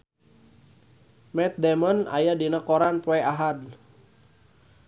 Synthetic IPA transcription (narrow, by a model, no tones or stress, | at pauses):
mɛt̪̚dɛmɔna̰jadinəkɔɾanpɔɛaɦad